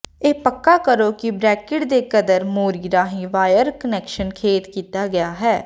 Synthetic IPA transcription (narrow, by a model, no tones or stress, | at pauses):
eːpəkːaːkəɾoːkɪbɾɛːkɪʈd̪eːkəd̪əɾmoːɾiːɾaːɦĩːʋaːjəɾkənɛːkʃənkʰeːt̪kiːt̪aːɡɪjaːɦɛː